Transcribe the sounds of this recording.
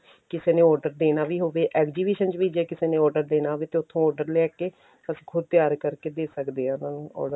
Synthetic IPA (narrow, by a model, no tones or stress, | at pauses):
kɪseːneːɔːɾɖəɾd̪eːnaːʋiːɦoːʋeːʔɛːɡd͡ʒiːbiːʃənt͡ʃʋiːd͡ʒɛːkɪseːnẽːɔːɾɖəɾd̪eːnaːɦoːʋeːt̪eːʊt̪ʰːõːɔːɖəɾlɛːkeː | əsĩːkʰʊd̪̚t̪ɪjaːɾkəɾkeːd̪eːsəkd̪eːãnãːnɔ̰ːɖəɾ